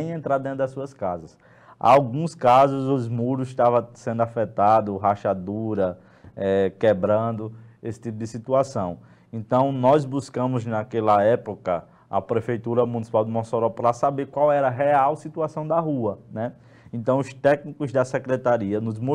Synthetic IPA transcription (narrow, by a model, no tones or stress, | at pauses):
j̃ẽnt̪ɾad̪ẽt̪ɾʊd̪ɐsuɐskazɐs | a̰awɡũskazʊzʊzmuɾʊʃt̪avɐ̃sẽnd̪ʊafɛt̪ad̪ʊɦaʃad̪uɾɐ | ɛkɛbɾɐ̃nd̪ʊesɪ̥t̪ipʊd̪ɪsit̪uasɐ̃w̃ | ẽnt̪ɐ̃w̃nɔzbuskɐ̃mʊznakɛlɐɛpokɐ | ɐ̰pɾefejt̪uɾɐmunisi̥pawd̪ʊmõsoɾɔpɾasabeɾkwawɛɾɐɦɛawsit̪uasɐ̃w̃d̪ɐɦuɐnɛ | ẽt̪ɐ̃w̃ʊst̪ɛknikʊzd̪ɐsɛkɾɛt̪aɾiɐnʊzmu